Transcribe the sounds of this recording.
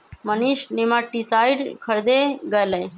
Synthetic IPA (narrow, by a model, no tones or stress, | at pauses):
məniʃnemaʈːisajɖkʰəɾd̪eɡəjlə̃